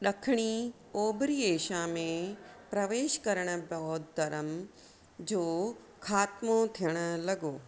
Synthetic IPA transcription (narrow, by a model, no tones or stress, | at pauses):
ɗɐkʰɪɽ̃i | oːbɾiːeːʃamẽpɾɐʋeːʃkɐɾəɽ̃ə̆bɐt̪̚d̪ɐɾəm | d͡ʑoː | kʰaːt̪mot̪ʰijəɽ̃ə̆lɐɡoː